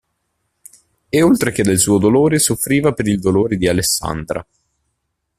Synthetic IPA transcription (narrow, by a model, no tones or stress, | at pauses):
eolt̪ɾeked̪ːelsuːɔjd̪oloːɾesofɾiːvapeɾild̪oloːɾed̪ialesːa̰nd̪ɾa̰